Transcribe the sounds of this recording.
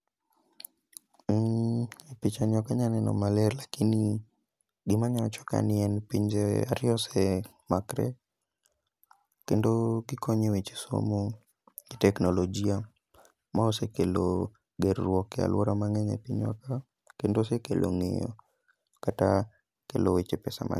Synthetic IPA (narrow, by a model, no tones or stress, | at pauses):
pit͡ʃaɲɔkaɲanɛnɔ̰malɛɾlakini | ɡimaɲat͡ʃɔ̥ka̰niɛnpiɲd͡ʒɛa̰ɾiɔsɛ | makɾɛ̰ | kɛndoɡikɔɲɛwet͡ʃi̥so̰mo | ɡitɛknɔlɔd͡ʒia | maɔsɛkɛlo | ɡɛɾːwɔkɛa̰lwɔɾamaŋɛɲɛ̰piɲwa̰ka | kɛndosɛkɛlʔo̰ŋḛjɔ̰ | kata | kɛ̰lɔwet͡ʃɛpɛsa̰ma̰